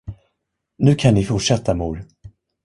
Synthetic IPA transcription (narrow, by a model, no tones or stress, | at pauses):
nʉ̟ːkʰannɪfʊʈʂɛt̪ʰːamuːɾ